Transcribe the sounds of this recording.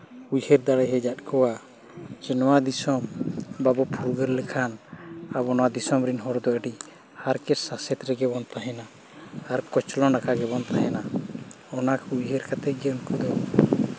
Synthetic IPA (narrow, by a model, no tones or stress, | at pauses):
ujhɛɾd̪aɽɛjɦɛd͡ʒat̪̚ˀkɔwa | t͡ʃɛnɔwad̪isɔmbabɔpʰuɾɡəɾlɛkʰanabɔnɔwad̪isɔmɾinɦɔɾd̪ɔəɖi | haɾkɛsasɛt̪ɾɛɡɛbɔnt̪aɦɛnaː | ɾkɔt͡ʃlɔnɖakaɡɛbɔnt̪aɦɛna | ɔnakujɦɛɾkat̪ɛɡɛɔnkud̪ɔ